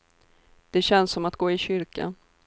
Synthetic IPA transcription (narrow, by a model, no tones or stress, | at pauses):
d̪̥ɛɕɛnsːɔmat̪ɡ̥oːɪɕʏɾka̰n